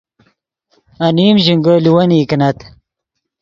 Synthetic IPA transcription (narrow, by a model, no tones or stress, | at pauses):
ɐniːmʑiŋɡəːliwɐniːkinɐt̪